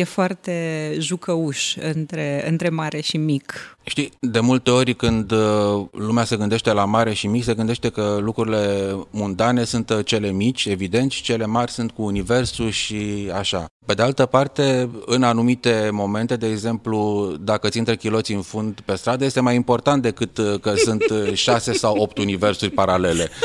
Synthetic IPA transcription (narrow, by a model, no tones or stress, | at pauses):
jefoart̪e̞ʒukəuʃɨnt̪ɾeɨ̰nt̪ɾe̞maɾe̞ʃimikʃt̪id̪e̞mult̪e̞o̞ɾʲkɨnd̪lumease̞ɡɨnd̪e̞ʃt̪e̞lamaɾe̞ʃimikse̞ɡɨnd̪eʃt̪e̞kəlukɾuɾile̞munt̪ane̞sunt̪t͡ʃe̞le̞mit͡ʃʲe̞vid̪e̞nt̪sʲt͡ʃe̞le̞marʲsunt̪̚kuːnive̞rsuʃiaʃape̞d̪e̞alt̪əpart̪e̞ɨnanumit̪e̞mo̞me̞nt̪e̞d̪e̞ːɡze̞mplud̪akət̪sint̪ɾekʲilo̞t̪siɨnfund̪pe̞st̪ɾad̪əje̞st̪e̞majimpo̞rt̪ant̪̚d̪e̞kɨt̪kəsunt̪ʃase̞sawo̞p̚t̪unive̞rsurʲpaɾale̞le̞